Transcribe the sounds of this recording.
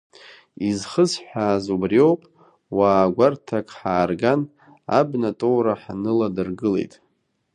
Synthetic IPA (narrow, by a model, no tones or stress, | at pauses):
izχəzħʷaːzubrio̞wpʼ | waːɡʷartʰakʼħaːrɡan | a̰bnatʼowɾaħanɨladɨrɡɨle̞̰jtʼ